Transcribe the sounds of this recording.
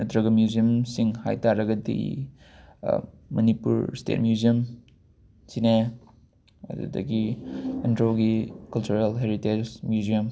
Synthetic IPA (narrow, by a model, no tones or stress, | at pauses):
dɾɐɡɐmjuziəmsiŋha̰jtaɾɐɡɐdḭ | mɐnipṵɾstḛt̚mjuziɐm | sine | ɐ̰dṵdɐ̰ɡiendɾoɡikɐlt͡ʃuɾelɦeɾited͡ʒmjuziɐm